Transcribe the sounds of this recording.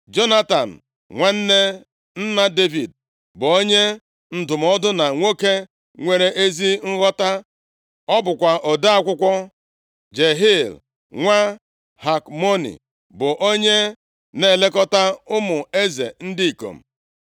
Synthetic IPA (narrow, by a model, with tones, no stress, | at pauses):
d͡ʒo˦na˦ta̰˨n̩˨ | ŋʷa˦n̩˦ne˦ | n̩˦na˦de˦vi˨d̚ | bʊ˨o˦ɲe˦ | n̩˨dʊ˨m˨ɔ˦dʊ˦na˨ŋʷo˦ke˦ | ŋʷe˨ɾe˦ʔe˦zi˦ŋ̩˦ɣɔ˦ta˦ | ɔ˦bʊ˨kʷa˨ʔɔ˨da˦a˦kʷʊ˦kʷɔ˦ | d͡ʒe˨ɦi˦˨l | ŋʷa˦ | ha˨kmo˦nḭ˨ | bʊ˨ʔo˦ɲe˦ | ne˦˨le˦kɔ˦ta˦ʊ˦mʊ˨e˦zḛ˨n̩˦di˦i˨ko̰˨m̩˨